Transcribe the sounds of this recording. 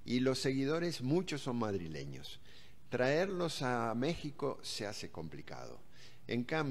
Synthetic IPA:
ilo̞sːe̞ɣið̞o̞ɾe̞zmut͡ʃosːo̞nmaðɾile̞̰ɲo̞̰s | t̪ɾaeɾlo̞same̞xiko̞se̞ase̞ko̞mplika̰ð̞o̞̰ | ḛŋkam

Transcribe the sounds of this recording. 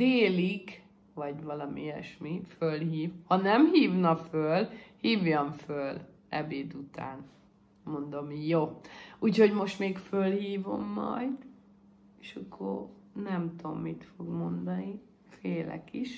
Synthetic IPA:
d̪eːlik | vɒɟʋɒlɒmḭɛ̰ʃmifølhiːvhɒnɛmhiːvnɒfølhiːvjɒɱføl | ɛbeːd̪ut̪a̰ːn | mo̞nd̪o̞mjoːuːcho̞ɟmo̞ʃt̪meːkfølhiːvo̞̰mːɒ̰jd̪ | eːʃɒkʰːo̰r | nɛmt̪o̞mːit̪fo̞ɡmo̞nd̪ɒni | feːlɛ̰kiʃ

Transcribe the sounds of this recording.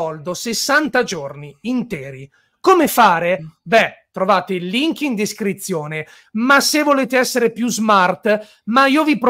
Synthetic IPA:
ɔld̪osesːant̪ad͡ʒorniːnt̪ɛːɾi | komefaːɾebɛt̪ɾovaːt̪eliŋkind̪eskɾit̪sːjoːne | masevoleːt̪eɛsːeɾepjuzmart̪ | maiːovipɾ

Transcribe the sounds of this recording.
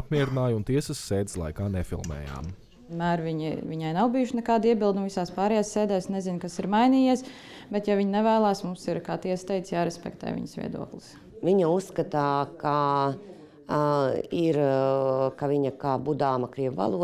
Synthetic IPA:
ap̚mʲiɛɾinaːjunt̪iɛsəsːeːd̪slˠa̰jkaːnɛfḭlˠmɛ̰ːja̰ːm | nmæːɾviɲḭviɲajnawbijʊʃnɛkaːd̪iɛbilˠd̪umvisaːspɑːɾɛjaːsːeːd̪ɛːsnɛzinkasiɾmajniːjiɛs | bɛt̪javiɲnɛvæːlˠaːsmumsiɾkaːt̪iɛst̪ɛjt̪sjaːɾɛspɛ̰kt̪ɛ̰ːjʋḭɲsʋʲḭɛd̪ṵɔklˠɪs | viɲausːkat̪aːka | iɾ | kaviɲɐkaːbud̪aːmakɾiɛʋva̰lˠu

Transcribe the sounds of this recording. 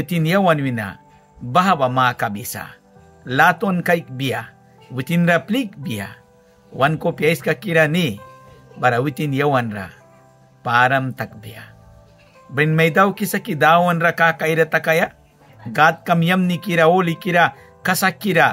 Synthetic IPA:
wit̪injawanwina̰ | baɦabamakabisa̰ | lat̪onkajk̚bija | wit̪inɾaplik̚bija̰ | wankopijajskakiɾani | bɐɾawit̪injawanɾa̰ | paɾɐmt̪ɐk̚bija̰ | bɾinmɐjd̪awkisakid̪awanɾakakajɾat̪ɐkaja | ɡat̪̚kɐmjɐmnikiɾaolikiɾa | kɐsakːiɾa

